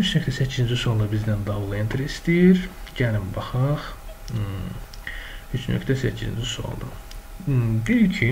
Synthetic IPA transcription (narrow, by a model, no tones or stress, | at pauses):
yt͡ʃʰnøcʰt̪ʰæsæcʰːizind͡ʒisolˠd̪ɑbizd̪ænd̪ɑvlˠent̪ʰɾist̪ijiɾɟælimbɑχɑχ | yt͡ʃnø̰kʰt̪ʰæsæcʰḭzḭnd͡ʒyso̰lˠd̪ɯ̰ | bilcʰi